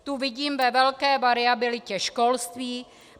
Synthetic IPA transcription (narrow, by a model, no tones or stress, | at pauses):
t̪uvɪɟiːmvɛvɛlkɛːvaɾɪabɪlɪcɛʃkolst̪viː